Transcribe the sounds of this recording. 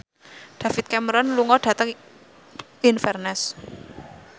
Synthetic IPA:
ɖ̪̥ä̤fɪt̪̚kaməɾɔnluŋɔɖ̥ä̤t̪əŋ | infɛrnɛs

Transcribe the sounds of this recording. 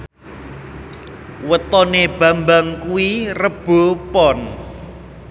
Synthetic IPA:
wət̪ɔneb̥ä̤mbaŋkuwirəb̥o̤pɔn

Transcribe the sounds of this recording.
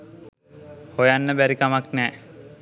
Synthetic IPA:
hojanːəbæɾikamaknɛː

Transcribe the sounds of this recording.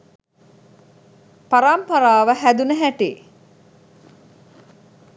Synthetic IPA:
paɾampɐɾaːʋəɦæd̪unəɦæʈḛː

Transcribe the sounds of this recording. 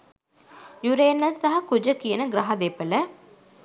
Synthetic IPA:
juɾeːnːɐsɐɦɐkud͡ʒɐkijənəɡɾɐɦɐd̪epːɐlɐ

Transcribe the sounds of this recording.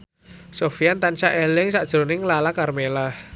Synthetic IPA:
sofijant̪ant͡ʃaʔelɪŋsaʔd̥ʒ̥ɾonɪŋlalakarmelah

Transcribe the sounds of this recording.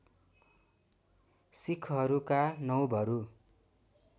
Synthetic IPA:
sikʰɦʌɾukanʌwbʱʌɾu

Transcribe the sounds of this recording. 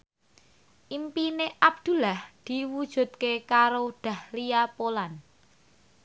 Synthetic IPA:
ʔimpineʔab̚d̪̥ṳlahd̪̥iwud̥ʒ̥ṳd̪̚kekaɾod̪̥a̤hliapolan

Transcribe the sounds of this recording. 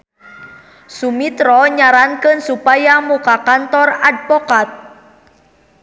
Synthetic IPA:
sumit̪ɾɔɲaɾankənsupajamukakant̪ɔradpɔkat̪̚

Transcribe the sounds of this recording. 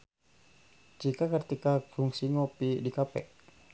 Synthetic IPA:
d͡ʒikakərt̪ikakuŋsiŋɔpidikapɛ̰ʔ

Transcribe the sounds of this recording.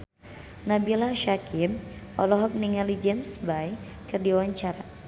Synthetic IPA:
nabilaʃakʰimɔ̰lɔɦɔk̚niŋalid͡ʒɛmsbaj | kɨrdiwaɲt͡ʃaɾa

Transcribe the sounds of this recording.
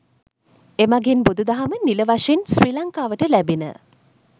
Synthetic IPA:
emaɡenbud̪ud̪aɦaməniləʋaʂensriːlaŋkaːʋəʈəlæbinə̰

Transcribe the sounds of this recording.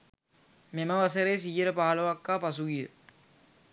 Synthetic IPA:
meməʋas̬əɾeːs̬iːjəɾəpaːlɐʋakːaːpasuɡijə̰

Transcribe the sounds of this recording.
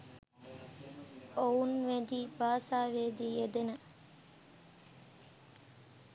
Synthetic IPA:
ounʋed̪iːbaːsaːʋed̪iːed̪enə

